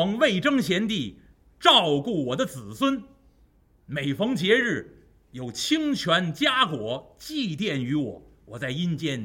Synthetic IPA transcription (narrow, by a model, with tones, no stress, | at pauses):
ɤ˧˥ŋwe˥˩ɪʈ͡ʂɤ˥ŋɕjɛ˧˥nt̪i˥˩ | ʈ͡ʂɑ˥˧ʊku˥˩wɔ˨˩d̪ə˦t͡sɹ̩˨˩swə˥n | me˨˩ɪfɤ˧˥ŋt͡ɕjɛ˧˥ɻɻ̩˥˩ | jo˨˩ʊt͡ɕʰi˥ŋt͡ɕʰɥa˧˥nt͡ɕja˥kwɔ˨˧˥t͡ɕi˥˧t̪̬jɛ˥˩ny˧˥wɔ˨˩˦wɔ˨˩t͡sa˥˩ɪi˥nt͡ɕjɛ˥˩n